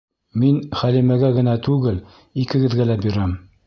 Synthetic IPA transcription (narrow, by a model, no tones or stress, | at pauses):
minχælimɘɡæɡɘ̆næt̪ʉɡɘl | ikɘ̆ɡɘ̆ðɡælæbiɾæm